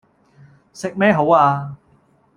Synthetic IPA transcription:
sɪ˨k̚mɛː˥ɦo˨˥waː˧

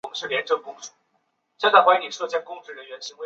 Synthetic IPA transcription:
ŋʂɻ̩˥˩ljɛ˧˥nʈ͡ʂɤ˥˧ŋkʊ˥˩ŋʂu̥˨˩˦ | ɕjɛ˥˧nt͡sa˥ɪxwa˥i˧˥ni˨˩ʂɤ˥˧t͡ɕjɑ˥ŋkʊ˥˧ŋʈ͡ʂɻ̩˥˩ɻə˧˥nɥɛ˧˥nɕi˧˥ŋwe˧

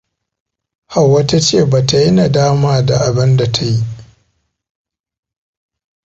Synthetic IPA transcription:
ha˨wːa˦ta˦t͡ʃeː˦˨ba˨ta˨ji˦na˨daː˦maː˦da̰˨ʔa˨bɐ˦nda˨tʰa˦ji˦ʔ

